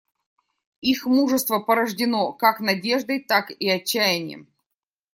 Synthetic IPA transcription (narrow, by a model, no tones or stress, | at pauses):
ixmuʐəst̪vəpəɾəʐdʲɪnokaknɐdʲeʐd̪əjt̪akiɐt͡ɕːæjɪnʲɪɪ̰m